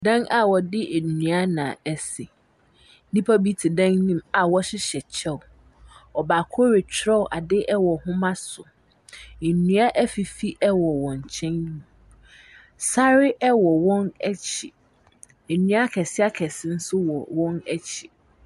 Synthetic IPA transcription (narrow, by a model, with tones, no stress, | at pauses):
dã˦ŋa˨wɔ˨dɪ˦ʔe˨nũ˨a˦nã̰˨ɛ˦sɪ˨˦ | nĩ˦pʰa˦bi˦tʰi˨dã˦ŋnĩ˦ma˨wɔ˦ɕɪ˦ɕɛ˨t͡ɕʰɛ˦˨ | ɔ˨ba˨kʰɔ˦ɾe˨t͡ɕʰᶣɾɛ˦˨ʔa˨dɪ˦ʔɛ˦wɔ˨hʊ̃˦mã˦sʊ˨ | nũ˨˦a˦ʔɛ˦fi˨fi˦ʔɛ˦wɔ˨wɔ̃˨ɲ˨t͡ɕʰɛ̃˦nːĩ˦˨ | sa˦ɾɪ˦ʔɛ˦wɔ˨wɔ̃˦nɛ˦t͡ɕʰi˨ | ɛ˨nũ˦a˦kʰɛ˨sɪ˦a˦kʰɛ˨sɪ˦n̩˦sʊ˦wɔ˨wɔ̃˦nɛ˦t͡ɕʰi˨